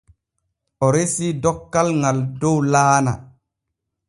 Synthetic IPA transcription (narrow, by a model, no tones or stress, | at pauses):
ɔɾesidɔkːalŋaldowlaːna̰